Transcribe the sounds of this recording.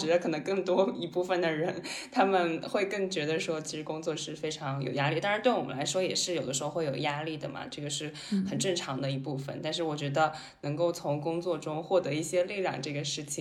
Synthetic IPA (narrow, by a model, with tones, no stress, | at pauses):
t͡ɕɛ˧˥d̪ə˧kʰɤ˨˩nə˧˥ŋkɤ˥˩ŋt̪wɔ˥i˧˥pu˥˩fə˨˩nd̪ə˩ɻə˧˥nt̪ʰa˥mə˨nxwe˥˧ɪkɤ˥˩ŋt͡ɕɥɛ˧˥d̪ə˧ʂwɔ˥t͡ɕʰi˧˥ʂɻ̩˧˥kʊ˥ŋt͡swɔ˥˧ʂɻ̩˥˩fe˥ɪʈ͡ʂʰɑ˧˥ŋjo̰˨˩ʊja˥li˥˩t̪a˥˧ɻt̪we˥˩ɪwɔ˨˩mə̰˦la˧˥ʂwɔ˥jɛ˨˩ʂɻ̩˥˩jʊə˦ʂ̩ɻ̩˧˥xxe˥˩jo˨˩ja˥li˥˩d̪ə̰˩mɐ̰˩ʈ͡ʂɤ˥˩ɡə˩ʂɻ̩˥˩ | xə˨˩nʈ͡ʂɤ˥˩ŋʈ͡ʂʰɑ˧˥ŋd̪ə˧i˧˥pu˥˩fə̰˩nt̪a˥˧nʂ̬ɻ̩˥˩wɔ˨˩t͡ɕɥɛ˧˥d̪ə˧ | nɤ˧˥ŋko˥˩ʊt͡sʰʊ˧˥ŋkʊ˥ŋt͡swɔ˥˩ʈ͡ʂʊ˥ŋxwɔ˥˩t̪ɤ˧˥i˥˩ɕjɛ˥li˥˧ljɑ̰˥˧ŋʈ͡ʂɤ˥˩ɡə˩ʂɻ̩˥˩t͡ɕʰi˨˩